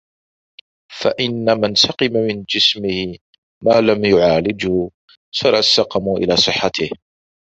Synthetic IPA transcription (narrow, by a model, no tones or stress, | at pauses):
fa̰ʔɪnːamansɑqɨmamɪnd͡ʒɪsmɪhɪ | maːlamjʊʕaːlɪd͡ʒhʊ | sɑɾˤɑsːɑqɑmuʔɪ̰laːsˤɨħːat̪ɪh